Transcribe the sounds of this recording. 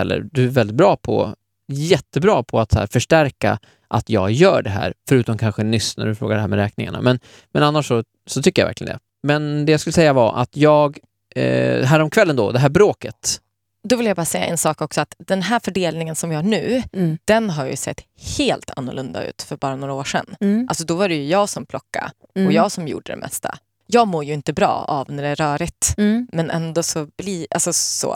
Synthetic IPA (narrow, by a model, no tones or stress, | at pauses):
ɛlːə̰ɾd̪ɵæɾvɛld̪ɪt̪̚bɾɑːpʰɔ̰ | jɛt̪ːəbɾɑːpʰɔat̪shæ̰ːɾfœʂʈæɾka̰ | ʔat̪jɑːɡjœːɖɛɦæ̰ːɾfœɾʉ̟ːt̪ɔmkʰanɧənʏsnæ̰ɖɵfɾoːɡaɖɛhɦæːɾmɛɾɛːknɪŋa̰ɳa̰mɛn | mɛnanːaʂːɔ | sɔt̪ʰʏkːəjavæ̰ɾklɪjə̰d̪ɛ̰ | mɛnd̪ɛjaskɵləsɛjːavaɾʔa̰t̪jɑːɡ | ɦæːɾɔmkʰvɛlːənd̪ɔ̰d̪ɛɦæːɾbɾoːkət̪ | d̪ɔvɪljajbɑːɾasɛjːa̰ʔɛ̰nsɑːkɔksɔat̪d̪ɛnɦæːɾfœɖeːlnɪŋənsɔmvɪhaɳʉ̟ːd̪̥ɛnɦaɾjɑ̰jɵsɛ̰t̪ː | heːlt̪ʰa̰nːʊ̰lʔɵnd̪a̰ʉ̟ːt̪fœɾbɑːɾanoːɾaoːʂɛ̰nːʔa̰lsɔd̪ɔvaɾɛjɵjɑːɡsɔmpʰlɔkːa̰ | ɔjɑːɡsɔmjṵːɖːə̰d̪ɛ̰mɛ̰st̪ʰa̰ | jɑːɡmoːɾjəɪnt̪əbɾɑ̰ːa̰vnæɖɛæɾœːɾɪt̪mɛnʔɛ̰nd̪ɔsɔbliːʔa̰lsɔso̰ː